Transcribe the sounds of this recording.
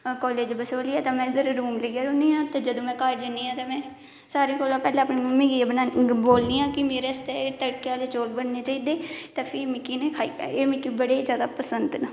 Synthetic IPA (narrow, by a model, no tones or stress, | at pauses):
kɔːleːd͡ʒbəsoːliːɛːt̪ãːmɛ̃ːɪd̪əɾɾuːmleɡeːɾoːniːãːt̪eːd͡ʒəd̪õːmɛ̃ːkaːd͡ʒəniːãːt̪eːmɛ̃ː | saːɾẽːkoːlãːpɛːlãːəpniːmmĩːɡibənaːboːlniːãːkɪmeːɾeːst̪ɛːt̪əɽkeaːleːt͡ʃoːlbəɳneːt͡ʃaːiːd̪eːt̪ãːpʰɪmɪkːiːnekʰaːiːeːmɪkːiːbəɽeːd͡ʒjaːd̪aːpəsənd̪nã